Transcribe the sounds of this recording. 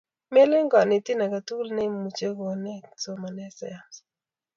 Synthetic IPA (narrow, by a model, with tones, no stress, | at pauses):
me˦le˦ŋɡa˨ne˨ti˦na˨ka˨tu˦lnɛ˦mu˨t͡ʃe˦ɡo˨nɛ˦t͡so˦ma˨nɛ˦sɛ˦˨ja˦˨s